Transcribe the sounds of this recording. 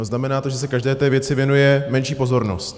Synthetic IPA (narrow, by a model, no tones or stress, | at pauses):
znamɛnaːt̪o̞ʒɛs̬ɛkaʒdɛːt̪ɛːvjɛt͡sɪvjɛnujɛmɛnʃiːpo̞zo̞ɾno̰st̪